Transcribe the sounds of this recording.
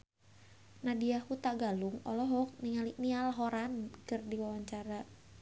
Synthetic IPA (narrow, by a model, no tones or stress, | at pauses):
nadiahut̪aɡaluŋɔ̰lɔɦɔk̚niŋaliʔnialɦoɾankərdiwawaɲt͡ʃaɾa